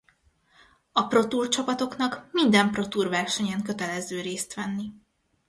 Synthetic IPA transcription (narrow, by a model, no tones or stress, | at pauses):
ɒpro̞t̪uːrt͡ʃɒpɒt̪o̞kn̪ɒkmind̪ɛmpro̞t̪uːrvɛrʃɛɲɛŋkø̞t̪ɛlɛzøːɾeːst̪ʋɛnːi